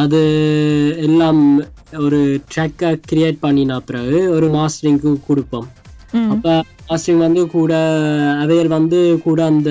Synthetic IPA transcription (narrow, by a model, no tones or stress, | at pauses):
ɐðɯ | ɛlːaːmɔɾɯʈɾɐkːaːkɪɾɪjeːʈ̚pɐɳːinaːɐpːɯɾaːɣɯɔɾɯmaːsʈɐɾɪŋkɯkʊɽɯpːomɐpːo | maːsʈɾɪŋɡʋɐnd̪ɯkuːɽɐːʋɐjɐlʋɐnd̪ɯkuːɽɐːnd̪ɐ